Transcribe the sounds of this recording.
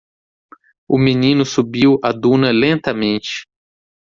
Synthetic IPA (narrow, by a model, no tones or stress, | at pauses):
ʊminĩnʊsubiwad̪ũnɐlẽnt̪ɐmẽnt͡ʃɪ̥